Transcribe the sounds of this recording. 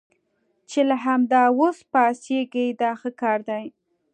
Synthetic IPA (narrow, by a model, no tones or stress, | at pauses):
t͡ʃelaɦamd̪ɑwospɑsjeɡejd̪ɑxəkɑɾd̪aj